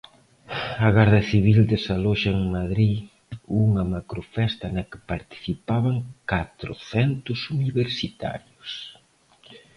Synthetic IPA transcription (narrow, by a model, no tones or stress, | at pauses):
ɐɣaɾðɐθiβ̞ild̪ɪsaloʃɐeŋmaðɾi | uŋɐmakɾʊfɛst̪ɐnɐkɪ̥paɾt̪i̥θipaβɐŋkat̪ɾʊ̰θɛnt̪ʊsuniβeɾsit̪a̰ɾjʊs